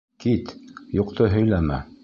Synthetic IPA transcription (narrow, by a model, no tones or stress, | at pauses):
kit̪juqt̪ʰɤɦɵ̆jlæmæ̰